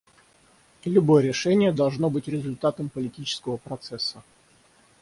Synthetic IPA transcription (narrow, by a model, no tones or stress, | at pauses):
lʲʊbo̞jəɾʲɪʂɛnʲɪjəd̪ɐlˠʐno̞bɨtʲɾʲɪzʊlʲt̪at̪əmpəlʲɪtʲit͡ɕɪ̥skəvəpɾɐt̪sɛsːə